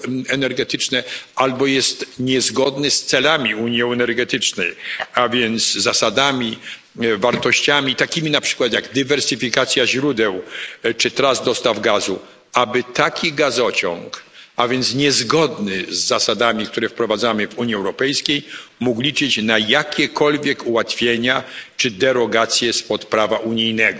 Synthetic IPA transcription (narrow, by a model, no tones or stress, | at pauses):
ɛnɛɾɡɛt̪ɘt͡ʂnɛalbɔjɛst̪ɲɛzɡɔd̪nɘst̪sɛlamʲiuɲjɛ̃ɛnɛɾɡɛt̪ɘt͡ʂnɛjavʲjɛnt̪sːasad̪amʲi | vaɾt̪ɔɕt͡ɕamʲit̪akʲimʲinapʂɘ̥kwat̪jaɡd̪ɨvɛɾsɘfʲikat̪sʲjaʑɾud̪ɛwt͡ʂɨt̪ɾazd̪ɔst̪avɡazu | abɘt̪akʲiɡazɔt͡ɕɔ̰ŋkavʲjɛnt̪sɲɛzɡɔd̪nɪzːasad̪amʲikt̪uɾɛfpɾɔvad̪zamɘvuɲjiɛwɾɔpɛjskʲejmuɡlʲit͡ʂɘt͡ɕnajakʲʰɛkʰɔlvʲjɛkuwat̪fʲjeɲat͡ʂɘd̪ɛɾɔɡat̪sʲjɛspɔt̪pɾavaʔuɲijnɛɡɔ